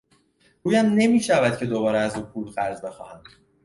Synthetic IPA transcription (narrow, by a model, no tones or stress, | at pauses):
ɾuːjæmne̞miːʃævæd̪̥̚cʰe̞d̪obɒːɾɛæzuːpʰulɣæɾzbe̞xɒːhæm